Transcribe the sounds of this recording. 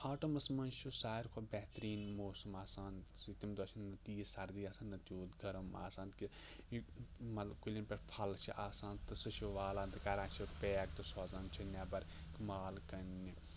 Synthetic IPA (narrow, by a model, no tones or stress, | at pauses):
aːʈomɐsmɐnʃʰusaːiɾkʰobɛɦt̪ɾiːnmoːsɐmaːsaːnsit̪imd̪oːt͡ʃʰinːɐt̪iːsɐɾd̪iːaːsaːnːɐt̪juːd̪ɡɐɾɐma̰ːsãːnki | mɐt̪lɐbkulʲɐnʲpʲeɾpʰɐlt͡ʃʰiʔaːsãːnt̪ɨsɐʃuʋaːlaːnt̪ɨkɐɾãːnt͡ʃʰipeːk̚t̪ɨsaːzaːnt͡ʃʰɐnʲaːbɐɾ | kmaːlkɐnːi